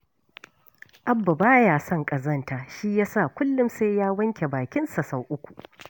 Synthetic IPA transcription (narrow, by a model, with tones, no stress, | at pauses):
ʔa˦bːa˨baː˦jaː˨sɔ˦ŋkʼɐ˨zɐ˦ntaː˨ʃi˦jaː˦sa˦˨kʷʊ˦lːʊ˦mse˦jaː˦wɐ˦ŋkʲe˨baː˨kʲɪ˦nsa˨sa˨wʔʊ˦kʷu˨ʔ